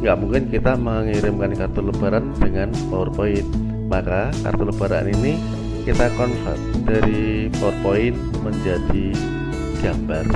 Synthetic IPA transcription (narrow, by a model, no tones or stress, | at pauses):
ŋɡaʔmuŋkɪnkit̪aməŋiɾɪmkankart̪ʊləb̥aɾand̥əŋanpaʊrpoɪn | makaka̰rt̪ʊləb̥aɾa̰nini | kit̪akɔnsɛ̰t̪̚d̥aɾi | paʊrpoɪn | məɲd͡ʒadi | ɡ̥ambar